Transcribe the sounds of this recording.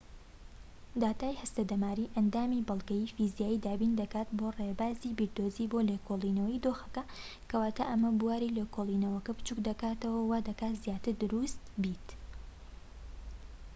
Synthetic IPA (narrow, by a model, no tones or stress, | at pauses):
d̪aːt̪aːjhɐst̪ɐd̪ɐmaːɾiːʔɐnd̪aːmibɐlˠɡɐjiːfizijaːjiːd̪aːbind̪ɐkaːt̪borebaːziːbiɾd̪oziːbolekʰolˠinɐwɐjd̪oːxɐ̥kɐkʰɐwaːt̪ʰaːʔɐmɐbuwaːɾilekolˠiːnɐwɐkɐbɨt͡ʃukd̪ɐkaːt̪ɐwɐwaːd̪ɐkaːt̪zjaːt̪ɨɾd̪ʊɾust̪bit̪